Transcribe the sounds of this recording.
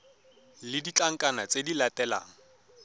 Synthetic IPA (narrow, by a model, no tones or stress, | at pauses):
lɪdit͡ɬʼaŋ̩kʼanat͡sʼedilatʼɛla̰ːŋ̩